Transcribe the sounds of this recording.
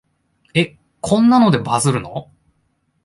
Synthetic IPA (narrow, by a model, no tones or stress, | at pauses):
e̞ | kʰõ̞nːano̞d̪e̞bazɨɾɯ̟no̞̰